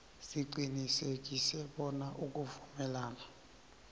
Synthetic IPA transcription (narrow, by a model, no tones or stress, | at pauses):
siǀinisekʼisɛɓɔnaʔukʼuvumɛlaːna